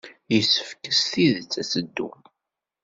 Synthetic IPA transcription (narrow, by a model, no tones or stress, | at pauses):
jəsə̥fkəsθiðət͡sːæsəd̪ːṵ